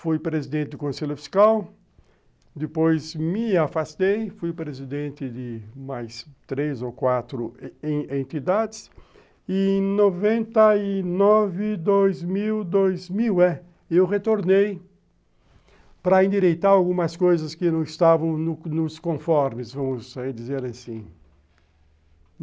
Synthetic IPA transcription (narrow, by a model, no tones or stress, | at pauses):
fujpɾezid̪ẽnt̪ɪd̪ʊkõseʎʊfi̥skaw | d̪ɪpojzmɪafast̪ejfujpɾezid̪ẽnt̪ɪd̪ɪmajst̪ɾezokwat̪ɾʊẽẽnt̪id̪ad̪ɪs | ɪ̃novẽnt̪ɐɪnɔvɪd̪ojzmiwd̪ojzmiwɛ | ewʁet̪oɾnej | pɾɐẽnd̪iɾejt̪aɾawɡũmɐskojzɐskɪnɐ̃w̃ɪst̪avɐ̃w̃nʊnʊskõfɔɾmɪsvɐ̃mʊzɛd̪izeɾasĩ